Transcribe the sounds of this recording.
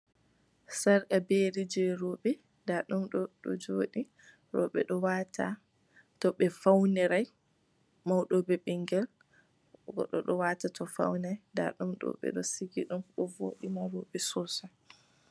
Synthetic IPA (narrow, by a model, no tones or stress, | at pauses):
saɾkabeɾid͡ʒɛɾɔɓɛ | daɗumɗɔɗɔ̰d͡ʒoːɗi | ɾɔ̰ɓɛ̰ɗɔwatʰa̰ | tɔɓɛfawnɛɾaj | mawɗɔbɛɓɛŋɡɛl | ɡɔ̰ɗɔɗɔwatatʰɔfa̰wnajda̰ɗumɗɔ̰ɓɛ̰ɗɔsiɡiɗumɗɔvo̰ːɗimaɾɔɓɛsɔsa